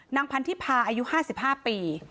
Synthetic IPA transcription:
na˧ŋpʰa˧nt̪ʰiː˥˩pʰaː˧ʔaː˧ju˦˥ʔhaː˥˩si˨˩p̚haː˥˩piː˧

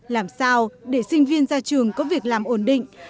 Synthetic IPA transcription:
laː˨˩msaː˧wɗe˧˩sï˧ŋ̟vi˧ənzaː˧t͡ɕɨ˨˩əŋkɔ˨˦vi˨˩ək̚laː˨˩mʔo˧˩nɗḭ˧˨ŋ̟

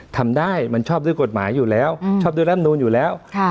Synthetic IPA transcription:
t̪ʰa˨˩mɗaː˧˩jma˨˩ŋt͡ɕɔ˦˥p̚zːjku˨˩ət̚maː˨˩˦jzu˨˩lɛ˨˦wt͡ɕɔ˧˥p̚zɨː˨˦laː˦˥m̚nu˧nɲzu˨˩lɛ˨˦w

